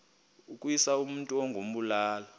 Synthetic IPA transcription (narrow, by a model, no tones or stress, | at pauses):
ukʼuisaum̩ntʼuoŋɡʱom̩ɓulaːlɔ